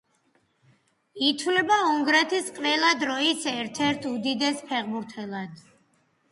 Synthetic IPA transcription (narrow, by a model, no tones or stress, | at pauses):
it̪ʰwlɛbauŋɡɾɛt̪ʰisqʼvɛlˠad̪ɾɔisɛɾt̪ʰɛɾt̪ʰud̪id̪ɛspʰɛʁbuɾt̪ʰɛlˠad̪